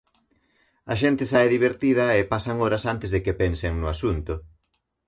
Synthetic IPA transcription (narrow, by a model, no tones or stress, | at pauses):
ɐʃent̪ɪsaeðiβeɾt̪iðɐepasɐŋoɾɐsant̪ɪzðekepɛnseŋnʊasunt̪ʊ